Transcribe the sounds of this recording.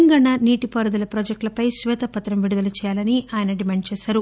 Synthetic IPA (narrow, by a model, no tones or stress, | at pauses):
ŋɡɐɳːɐniːʈipɐɾud̪ulɐpɾɔːd͡ʒek̚ʈlɐpɐjsʋɛːt̪ɐpɐt̪ɾɐmʋiɽud̪ɐlɐt͡ʃɛːjaːlɐniʔaːjɐnɐɖimeːɳɖ̚t͡ʃɛːsaːɾu